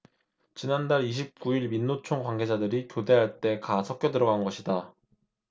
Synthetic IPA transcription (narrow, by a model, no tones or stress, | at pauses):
t͡ɕinandaɾiɕ̬ʰip̚k͈uiɭminːot͡ɕʰoŋkwaŋɡe̞d͡ʑadɯɾikjode̞ɦaɭt͈e̞kasʰʌk̚k͈jʌdɯɾʌɡanɡʌɕʰida